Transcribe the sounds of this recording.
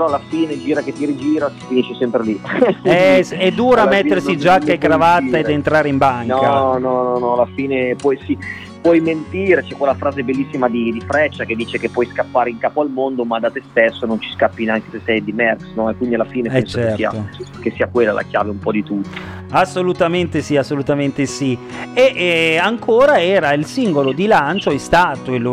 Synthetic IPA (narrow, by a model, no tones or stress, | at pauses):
peɾɔalːafiːned͡ʒiːɾaket̪ːiɾid͡ʒiːɾasi̥finiʃːesɛmpɾeliɛsɛd̪ːuːɾamet̪ːersid͡ʒakːaekːɾavat̪ːaed̪ent̪ɾaːɾeimbaŋnɔkanɔnɔnɔalafiːnepwɔjsi | pwɔjment̪iːɾet͡ʃɛkːwelːafɾaːzebelːisːimad̪id̪ifɾɛt͡ʃːak̟ed̪ːiːt͡ʃekepːwɔjskapːaːɾeiŋkaːpoalmond̪omad̪at̪est̪esːonont͡ʃi̥skapːinaŋkesesːɛjd̪imɛrksnɔɛkːwind̪ialːafiːnepɛɛnst͡ʃokeɛsria̰okesːiːakwelːalʔa̰kja̰ːveumpɔd̪it̪ut̪ːo̥ | asːolut̪ament̪esiasːolut̪ament̪esi | eʔaŋkʰoːɾaɛːɾailsiŋɡolod̪ilant͡ʃoɛst̪aːt̪oelːo